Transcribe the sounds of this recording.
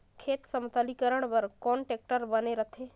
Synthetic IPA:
kʰeːt̪səmt̪alikəɾəɳ̃ʋəɾkɔɳʈek̚ʈəɾbəneɾət̪ʰe

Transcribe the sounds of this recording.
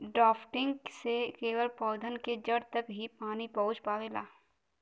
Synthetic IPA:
ɖɔːpʰʈɪ̃ŋɡsekeːʋəɾpɔːd̪ʱənked͡ʒɐɽt̪ɐkɦipaːnipɐʊt͡ʃpaːʋeːla̰ː

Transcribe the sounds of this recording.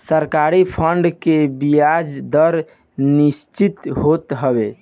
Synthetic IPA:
səɾkaɾipʰəɳɖkebijad͡ʒd̪əɾ | nist͡ʃit̪ɦot̪ɦəbe

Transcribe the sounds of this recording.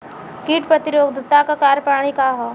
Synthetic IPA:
kiːʈpɾɐt̪ɪɾoːɡd̪ʱt̪akakaːɾpɾaːɽ̃ikaɦoː

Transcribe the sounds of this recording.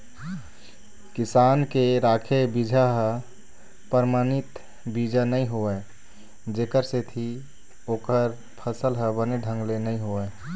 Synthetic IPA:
kisankeɾakʰebid͡ʒʱaɦə̃ | pəɾmanit̪ | bid͡ʒʱanəiɦoə | d͡ʒekəɾset̪ʰi | oːkəɾ | pʰəsəlɦə̃bəneɖʱə̃ŋɡlenəiɦoə

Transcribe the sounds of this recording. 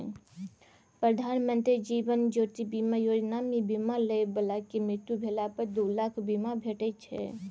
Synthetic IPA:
pɾəd̪ʱaːnmə̃nt̪ɾid͡ʒiːʋənd͡ʒoːt̪ibiːmajoːd͡ʒnaːmibiːmalebəlakimɪt̪ːubʱeːlapəɾd̪oːlaːkʰbimabʱeːʈet͡ʃʰɛ̰

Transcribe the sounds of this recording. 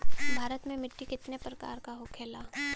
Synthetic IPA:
bʱaːɾət̪mẽmɪʈːikɪt̪nepɾɐka̰ːɾkaɦokʰeːlaː

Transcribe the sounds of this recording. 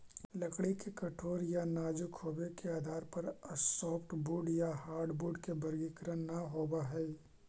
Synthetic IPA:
lɐkɽikekɐʈʰoːɾjanaːd͡ʒʊkhoːbekeaːd̪ʱaːɾpɐɾɐsɔːpʰʈbuːɖjaɦaːɾɖbuːɖkebɐɾɡikɾənːɐɦoːbaɦɛː

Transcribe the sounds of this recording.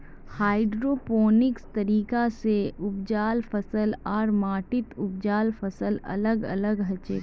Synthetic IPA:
haːɪɖɾoːpoːnɪkst̪ɐɾiːkaseʊbd͡ʒaːlfɐsəlɔːɾmaːʈɪt̪ʊb̚d͡ʒaːlfɐsəlɐ̰ləɡɐ̰ləɡɦɐt͡ʃeː

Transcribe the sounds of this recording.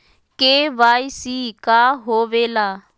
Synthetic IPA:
keʋaisikaɦoʋeːla

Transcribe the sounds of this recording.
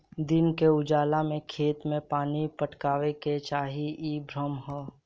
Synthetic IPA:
d̪ɪnkeʊd͡ʒaːlamẽkʰeːt̪mẽpaːnipəʈkaːʋeket͡ʃaːɦiibɾəmɦɛː

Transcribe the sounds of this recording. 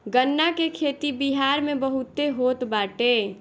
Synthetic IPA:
ɡənːakekʰeːt̪ibiɦaːɾmẽbəɦʊt̪eɦoːt̪baːʈeː

